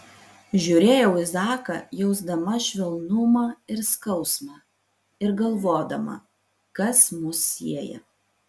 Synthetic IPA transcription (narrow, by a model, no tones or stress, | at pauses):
ʒʲuɾʲeːjɛʊɪzɑːkɐ̰jɛʊzd̪ɐmɐʃʲʋʲɛlˠnʊmɑːɪɾskɐʊsmɑ | ɪɾɡɐlˠʋoːd̪ɐmɐ̰ | kɐsmʊsːʲiɛjɛ̰